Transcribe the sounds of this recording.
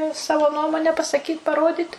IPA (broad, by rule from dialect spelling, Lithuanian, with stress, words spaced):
ɪ ˈsɑːʋoː ˈnuɔmoːnʲɛ pɐsɐˈkʲiːtʲ pɐˈroːdʲiːt